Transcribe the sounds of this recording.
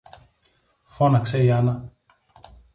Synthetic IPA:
fonaksejana

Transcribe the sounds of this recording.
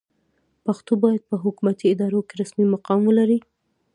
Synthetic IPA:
paxt̪obɑjad̪̚pəɦʊkumat̪iɪd̪ɑɾokeɾasmimaqɑmwəlaɾi

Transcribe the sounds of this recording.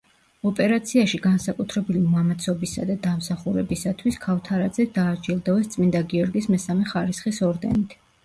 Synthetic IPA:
ɔpʼɛɾat̪sʰiaʃiɡansakʼut̪ʰɾɛbilimɔamat̪sʰɔbisa̰d̪ad̪amsaχuɾɛbisat̪ʰwiskʰaft̪ʰaɾad̪zɛd̪aːd͡ʒilˠd̪ɔvɛst̪sʼmind̪aɡiɔɾɡismɛsamɛχaɾisχisɔɾd̪ɛ̰nit̪ʰ

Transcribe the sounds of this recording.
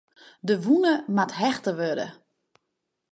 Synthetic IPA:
dəʋunəmatɦɛxtəʋødə̰

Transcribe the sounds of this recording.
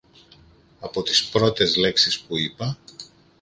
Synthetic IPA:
ɐpo̞t̪ispɾo̞t̪e̞zle̞ksispuipɐ

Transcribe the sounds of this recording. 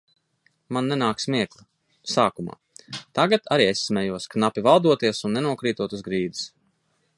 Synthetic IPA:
manːɛnaːksmiɛklˠa | saːkuma̰ː | t̪aɡat̪ʰaɾiːesʲːmʲɛjuɔsknapʲivalˠd̪uɔt̪iɛsunːɛnuɔkɾiːt̪uɔt̪uzɡɾiːd̪i̥s

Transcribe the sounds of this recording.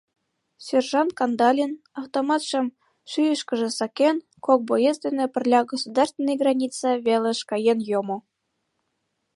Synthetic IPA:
sʲerʒɑnt̪kɑnd̪ɑlʲin | ɑft̪omɑt̪ʃɤ̆m | ʃyjə̆ʃkə̆ʒĕsɑkʲen | kok̚bojest̪ʲenĕpʲɘ̆rʲlʲɑɡosud̪ɑrst̪vʲenejɡrɑnʲit͡sɑβʲelʲĕʃkɑjenjomo

